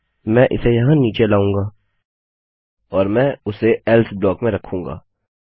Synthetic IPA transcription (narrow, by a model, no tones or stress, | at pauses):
mɛ̃ʔɪ̰sejɐɦãniːt͡ʃelaːũːŋɡaː | ɔːɾmɛ̃ːʊseɛlt̪ʰblɔːkmẽɾɐkʰũːŋɡa̰ː